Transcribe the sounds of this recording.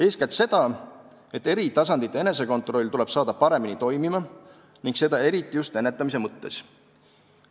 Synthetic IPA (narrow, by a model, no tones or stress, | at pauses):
eːskæt̪se̞d̪̥ɑ | e̞t̪ːe̞ɾit̪ɑs̬ɑnd̪̥it̪ːˑee̞nes̬e̞ko̞nt̪ˑro̞lʲːt̪ule̞b̥sɑːd̪̥ɑpɑɾe̞minit̪o̞jmimɑ | niŋɡse̞d̪̥ɑe̞ɾit̪ːˑijust̪e̞nːe̞t̪ːˑɑmise̞mɤt̪ːe̞s